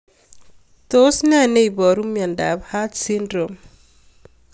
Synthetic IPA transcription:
to˦sna˦ne˦i˨bɔ˨ɾu˦mia˨nda̰˨bha˦tsi˦ndɾo˨m

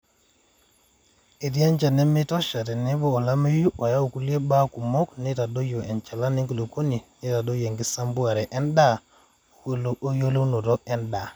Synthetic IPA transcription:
e˨di˦a˦nt͡ʃa˨nɛ˦me˦tɔ˦ʃa˨tɛ˨ne˦boː˦˨la˦me˦ju˦wa˨ja˦u˨ku˦li˦e˦ba˦ku˨mo˦kne˦ta˨do˦jo˨ʔɛ˨nt͡ʃa˨la˦ni˦ŋki˨lo˨ko˦ni˨ne˦ta˨do˦je˨ŋɡi˦sa˦mbu˦a˨ɾɛ˨ʔɛ˦nda˦˨ | lːjo˦lo˦no˨ɾɔ˦ɛ˦nda˨

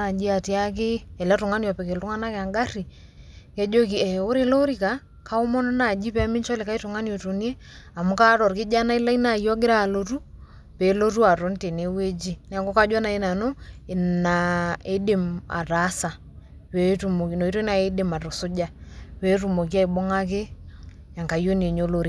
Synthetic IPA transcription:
a˨d͡ʒi˦a˨ti˦a˦k̬ɪ˦ɛ˨la˦tʊ˨ŋa˦njɔ˨pɛ˨kɪ˨ltʊ˦ŋa˦na˦kɪ˨a˨ŋɡa˦ri˨ | kɛ˦d͡ʒo˦k̬i˨ɛ˨ʊ˦ɾɪ˨lo˦ɾi˨ka˨˦ | kʰa˦ʊ˦mɔ˦nɔ˦na˨d͡ʒi˦pɛ˨a˦mɪ˦nt͡ʃɔ˦lɪ˨ka˦i˦tʊ˨ŋa˦ni˦o˨to˨nje˦a˨mʊ˦ka˦ɾɔ˨ɾkɪ˦d͡ʒa˦na˦i˦la˦i˦na˨jɔ˦ɡɪ˦ɾa˦˨lo˦tu˦ | pɛ˨˦lo˦tu˦a˨ɾo˨˦nte˨ne˦we˦d͡ʒi˦n˨a˨ŋɡo˦ka˦d͡ʒwa˦na˨i˦na˨no˦ɪ˨na˨e˦dɪ˨ma̰˨ɾa˨˦sa˨ | wɛ˨˦tu˨mo˨ki˨no˨i˦to˦na˨e˦dɪ˨ma˨ɾɔ˨sʊ˦d͡ʒa˦wɛ˦tu˨mo˨k̬i˦a˦i˨bo˦ŋa˦k̬ɪ˦ | ja˨ŋka˨jo˦n˨e˨ɲo˦lo˦ɾi˨

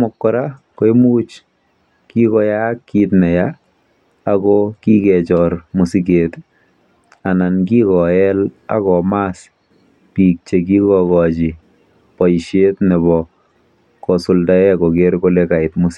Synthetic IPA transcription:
mɔ˨kːɔ˨ɾa | ko˨emu˦t͡ʃ | ki˦kɔ˧ja˦kːitnɛ˨jaː | kɔki˦kɛt͡ʃɔɾmu˨si˦ket | a˨na˨nki˦kɔ˨ɛ˦l | a̰˦kɔ˨mas | pi˨k̚t͡ʃe˨k̬i˦kɔkɔt͡ʃi˨ | pɔ˨iʃe˦tnɛ˨βɔ | kɔ˨sʊ˨lda˦ɛ˦kɔ˨ke˦ɾko˦leka˨ɪtmʊs

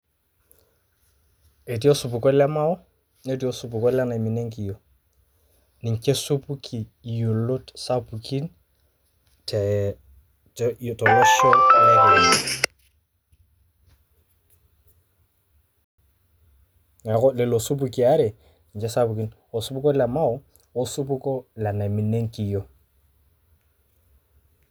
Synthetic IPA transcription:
e˨ti˦o˦su˨pu˨kɔ˦lɛ˦ma˦ʊ˦ | ne˦t̬i˦o˦su˨pu˨kɔ˦la˦na˨mi˨ne˦ŋki˨jo˨ | nɪ˨ŋt͡ʃe˦su˦pu˦kʰi˨jo˨lo˦tsa˦pu˨ki˦n | tʰɛ˨ | tɔ˨lɔ˦ʃo˦la˦le˦ɾa˨ | a˨ɣʊ˦lɪ˨lo˨sʊ˦pu˦kʼi˨a˦ɾɪ˨ | ŋ̩˨t͡ʃʼɪ˦sa˦pu˨ki˦n | ʊ˨sʊ˦pu˦kʼɔ˦la˨ma˦ʊ˦ | ʊ˦sʊ˦pu˦kʼɔ˦la˨na˨mɪ˨ne˦ŋ̩˦kʼi˨jɔ˦˨

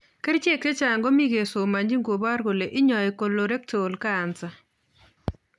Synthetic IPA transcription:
ke˦ɾt͡ʃe˦˨k̚te˦t͡ʃa˨ŋɡɔ˦mi˦ɡe˨so˨ma˨ɲd͡ʒi˦ŋɡo˨ba˦ɾɡo˨le˨ʔɪ˦ɲɔ˨ɪ˨ko˨lo˨ɾe˦ktʰo˨lkaː˦˨nt͡sa˨

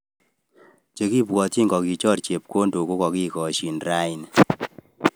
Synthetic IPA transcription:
t͡ʃe˦ki˦pwɔ˨ti˦ŋɡɔ˨ki˨t͡ʃɔ˦rt͡ʃe˨p̚ko˦ndo˨ko˦kɔ˨ki˦kɔ˨ʃi˨nra˦i˨n

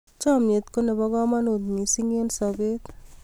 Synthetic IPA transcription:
t͡ʃɔmje˨t̪ko˦ne˨bɔɡɔ˦ma˦no˨t̪mi˨si˦ŋe˦nsɔbet

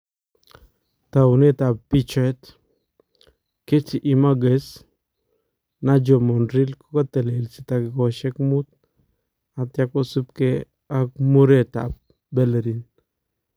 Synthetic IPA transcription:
t̪a˨u˨ne˦ta˨ppi˦t͡ʃɔ˦ɛ˦t̪ | ke˦ti˨ʔi˨ma˦ɡe˨s | na˦d͡ʒo˨mo˨nɾi˦lko˦ka˦t̪e˨le˨lsi˨t̪a˨ki˨ko˨ʃe˦kmut̪ | a˨t̪ja˦ko˦su˦p̚ke˦ | a˦k̚mu˦ɾe˨ta̰˨p̚ | be˦lɾin

